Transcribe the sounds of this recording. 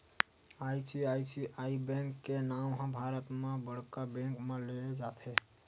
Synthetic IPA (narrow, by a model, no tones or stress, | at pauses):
ajsiajsiaibẽŋkːenamɦɔ̃bʱaɾət̪mebəɽ̤kabẽŋkmeled͡ʒat̪ʰe